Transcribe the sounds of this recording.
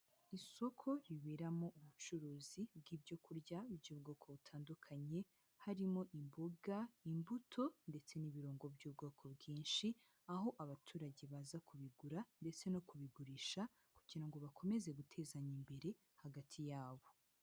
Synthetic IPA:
iso̞kʰo̞ɾiβeɾamo̞ʔuβut͡ʃuɾuːzib̚ɡiːbɟo̞kuɾɟauɾɟuːbɡoːkʰo̞βutʰaːndukʰaɲe̞ | haɾimo̞ʔimboɡaimbutʰo̞nde̞t͡se̞niβiɾoːŋɡo̞bɟuːb̚ɡo̞ːkʰo̞bɡiːnʃi | aɦo̞ʔaβatʰuːɾaɟe̞βaːzakʰuβiɡuɾande̞t͡se̞no̞kuβiɡuɾiːʃa | kuɟiɾaŋɡoβakʰo̞me̞ze̞ɡutʰe̞zaɲimbe̞ɾe̞ | haɡatʰijaːβo̞

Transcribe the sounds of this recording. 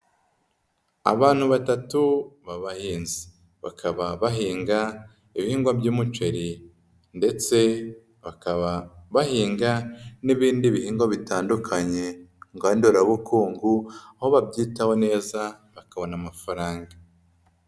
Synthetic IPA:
a̰βaːn̥huβatatuβaβahiːnzi̥ | βa̰kʰaβaβaɦiːŋɡa | iβihiːŋɡwabɟuːmut͡ʃe̞ɾi | nde̞t͡se̞ | βakaβaβahiːŋɡaniβiːndiβihiːŋɡwaβitaːndukʰaɲe̞ŋɡandoɾauβukuːŋɡuaho̞βabɟiːtaho̞ne̞ːza | βakaβo̞namafaɾaːŋɡa

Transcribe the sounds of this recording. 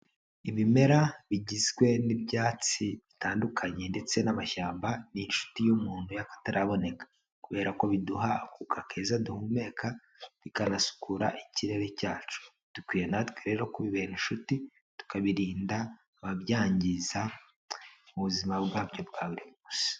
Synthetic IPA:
iβime̞ɾaβiɟizɡwe̞nibjaːt͡siβitaːndukʰaɲe̞nde̞t͡se̞namaʃaːmbaninʃu̥tijumuːn̥hujakḁtaɾʔaβo̞ne̞kḁ | kuβe̞ːɾako̞βiduɦakukʰakʰe̞ːzaduhume̞kʰa | βikanasu̥kʰuɾa̰ʔiciɾe̞ɾe̞caːt͡ʃu̥ | d̥ukwiːje̞natweɾe̞ɾo̞kuβiβeninʃuti | tu̥kaβiɾiːndaː | βaβjaːɲɟiza | uβuzimabɡaːbɟo̞bɡaːβuɾimuːsi̥

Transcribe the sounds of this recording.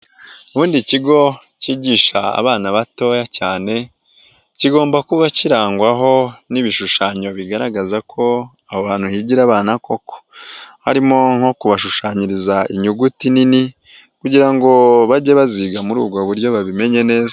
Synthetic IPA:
uβuːndiciɡo̞ | ciːɟiːʃaa̰βaːnaβato̞jacaːne̞ | ciɡo̞ːmbakuβaciɾaːŋɡwaɦo̞niβiʃuʃaːɲo̞βiɡaɾaɡazakʰo̞ | aβoβaːn̥huhiɟiɾaːβaːnako̞ko̥ha̰ɾimo̞ŋ̥ho̞kuβaʃuʃaːɲiɾizaiɲuɡutinini | kuɟiɾaŋɡo̞βaɟe̞βaziːɡamuɾuːɡo̞βuɾjo̞βaβime̞ɲe̞ne̞ːza

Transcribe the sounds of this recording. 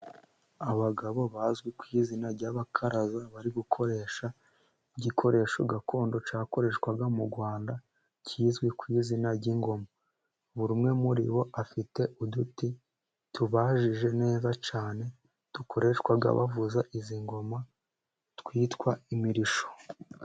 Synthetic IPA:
aβaɡaβo̞βaːzɡwikwiːzinaɾɟaːβakʰaɾazaβaɾiɡukʰo̞ɾe̞ːʃa | iɟikʰo̞ɾe̞ːʃo̞ɡakʰo̞ːndo̞t͡ʃaːko̞ɾe̞ːʃkwaɡamuɾɡwaːnda | cʰiːzɡwikwiːzinaɟiŋɡo̞ma | βuɾumŋe̞muɾḭβo̞ʔafite̞ʔuduti | tuβaːʒiʒe̞ne̞ːzat͡ʃaːne̞ | tuko̞ɾe̞ʃkwaɡa̰βa̰vuzaʔiziŋɡo̞ma | twiːtwaimiɾiʃo̞̥

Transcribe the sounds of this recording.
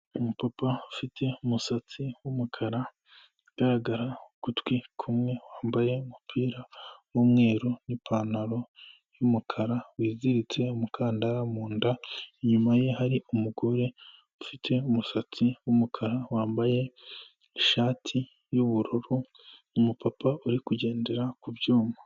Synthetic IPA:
umupapaufitʰe̞umusat͡siwumukʰaɾa | ɡ̥aɾaɡaɾaukutwikʰumŋe̞waːmbaje̞umupʰiːɾawomŋe̞ːɾonipʰaːnaɾo̞ | jumukʰaɾawiːziɾit͡se̞umukʰaːndaɾamuːndaeɲumaje̞haɾiumuɡoɾe | ufitʰe̞umusat͡siwumukʰaɾawaːmbaje̞ | eʃaːtʰi | juβuɾoɾu | umupapauɾikuɟe̞ːnde̞ɾakubɟoːma

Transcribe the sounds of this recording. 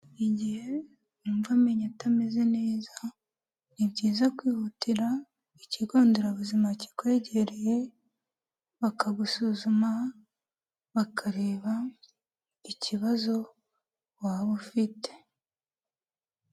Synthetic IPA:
iɟihe̞ | nuːmvame̞ɲatame̞ze̞ne̞ːza | niβɟiːzakwiːhutiɾa | iciɡo̞ːndeɾaβuzimaci̥kwe̞ɟeɾeje̞ | βakaɡusuzuma | βakʰaɾe̞ːβa | iciβazo̞ | waːβofite̞̥

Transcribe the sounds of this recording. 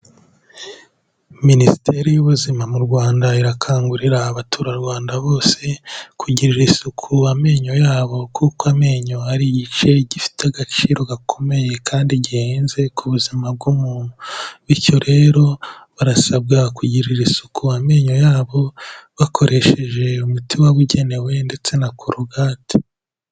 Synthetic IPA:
minisi̥tʰe̞ɾijuβuzimamuɾɡwaːndaiɾakʰaːŋɡuɾiɾaːβatʰuːɾaɾɡwaːndaβo̞ːse̞kʰuɟiɾiɾisukʰuame̞ːɲo̞jaːβo̞kʰukoame̞ːɲo̞aɾiɟit͡ʃe̞ɟifi̥teaɡat͡ʃiːɾo̞ɡakʰo̞me̞je̞kʰaːndiɟiheːnze̞kʰuβuzimab̚ɡumuːn̥huβiɾco̞ɾe̞ːɾo̞βaɾasab̚ɡakuɟiɾiɾisukuame̞ːɲo̞jaːβo̞βakʰo̞ɾe̞ʃe̞ʒe̞umutiwaβuɟe̞ne̞we̞nde̞t͡se̞nakʰuɾuɡaːti̥

